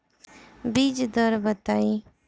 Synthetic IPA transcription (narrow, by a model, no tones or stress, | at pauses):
biːd͡ʒd̪əɾbət̪aːi